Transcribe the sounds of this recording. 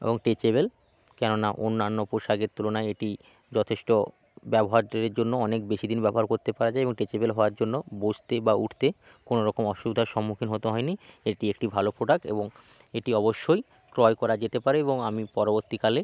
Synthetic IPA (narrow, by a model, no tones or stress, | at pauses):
ḛboŋʈet͡ɕeβel | kɛnona̰ʔonːanːopoʃaɡeɾt̪ulonaeʈi | d͡ʑɔt̪ʰeʃʈo | bɛboɦaɾeɾd͡ʑonːoɔnek̚beʃid̪ʱinbɛboɦaɾkoɾt̪epaɾad͡ʑaeeboŋʈet͡ɕebelɦɔaɾd͡ʑonːobod͡ʑt̪ebauʈʰt̪e | konoɾɔkomɔʃubd̪ʱaɾʃɔmːukʰinɦot̪oɦɔenieʈiek̚ʈibʱalopɾoɖak̚ʈḛboŋ | eʈiɔboʃːoj | kɾɔekɔɾad͡ʑet̪epaɾeeboŋamipɔɾoboɾt̪ikale